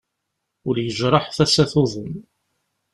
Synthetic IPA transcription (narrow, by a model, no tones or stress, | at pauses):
ʊɾjəʒɾˤɑħθæsæθʊðˤəm